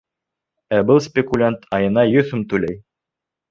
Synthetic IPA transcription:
æbɤlˠsʲpʲɪkulʲant̪ʰɑjɤ̆nɑjɵθɵmt̪ʉlæj

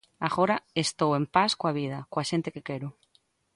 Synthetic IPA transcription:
aɣoɾaest̪owempaskoaβ̞ið̞akwaʃent̪ekekeɾʊ

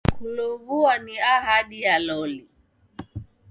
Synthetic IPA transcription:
kulɔvuaniaɦaɗijalɔli

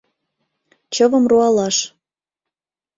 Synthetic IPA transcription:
t͡ɕɤvɤ̆mruɑlɑʃ

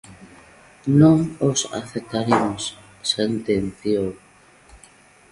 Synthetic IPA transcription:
nõŋosa̰θet̪aɾimos | sent̪enθjoŋ

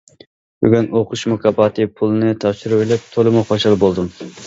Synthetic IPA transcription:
by̰ɡʲynoqʰʊʃmukʰɑbɑt̪ɨpʰulˠɨnɨt̪ʰɑpʃiɾɨwelɛp̚t̪ʰolˠɨmuχoʃɑlˠbolˠd̪ɨm

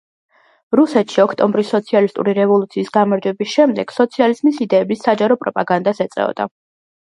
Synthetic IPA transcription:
ɾusɛt̪ʃiɔkʰt̪ʼɔmbɾisːɔt̪sʰialist̪ʼṵɾiɾɛvɔlˠut̪sʰiːsɡamaɾd͡ʒwɛbisʃɛmd̪ɛɡ̥sɔt̪sʰializmisid̪ɛːbisːad͡ʒaɾɔpʼɾɔpʼaɡand̪asɛt̪sʼɛ̰ɔ̰d̪a̰

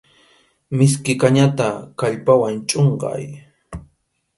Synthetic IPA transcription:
mɪskɪkaɲat̪akaʎpawant͡ʃʼoɴɢɑ̰j

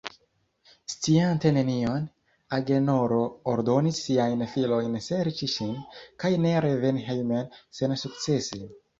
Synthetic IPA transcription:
st͡siante̞ne̞nio̞n | aɡe̞no̞ɾo̞ːɾdo̞nisːiajnfilo̞jnse̞ɾt͡ʃiʃinkajne̞ɾeve̞nɦelmense̞nsuk̚t͡se̞si

